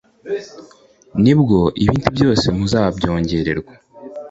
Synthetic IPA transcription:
nibɡo̞ʔiβiːntubjo̞ːse̞muzaːβabɟo̞ːɲɟe̞ɾe̞ɾɡwa

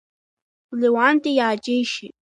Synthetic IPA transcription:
lɪwant̪ɪjat͡ʃɪjʃɪ

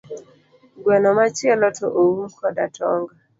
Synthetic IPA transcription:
ɡwɛnɔmat͡ʃiɛlɔtʰɔʔoum̩kʰɔdatʰɔŋɡa

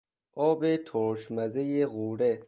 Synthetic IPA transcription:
ʔɔːbet̪ʰoɾʃmæzejeɣuːɾe

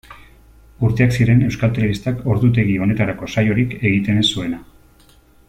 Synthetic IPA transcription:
uɾt̪e̞aksiɾe̞ne̞wskalt̪eeβist̪ako̞ɾðut̪e̞ɣio̞ne̞t̪aɾako̞sajo̞ɾike̞ɣit̪e̞nsue̞na

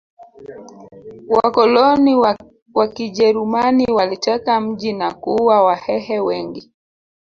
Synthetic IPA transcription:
wakɔlɔni | wakiʄɛɾumaniwalit͡ʃɛkam̩ʄinakuwawahɛhɛwɛŋɡi

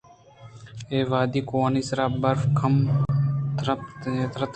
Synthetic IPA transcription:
eːʋaːd̪iːkoːaniːsɾaːbɐɾfkʰɐm | t̪ɾəpt̪eːt̪ɾət̪

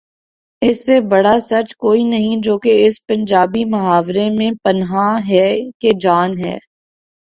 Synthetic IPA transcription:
ɪsːebɐɽasɐt͡ʃkoːinɐɦĩd͡ʒoːkeɪspɐ̃ɲd͡ʒaːbimɐɦaːʋɾemẽpɐnɦãɦɛːked͡ʒaːnɦɛ̰ː

